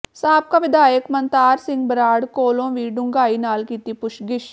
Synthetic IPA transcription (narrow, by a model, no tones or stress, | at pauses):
saːb̚kaːʋɪd̪ʱaːjəkmənt̪aːɾsɪ̃ŋɡbəɾaːɽkoːlõːʋiːɖʊŋɡaːiːnaːlkiːt̪iːpʊʃɡɪʃ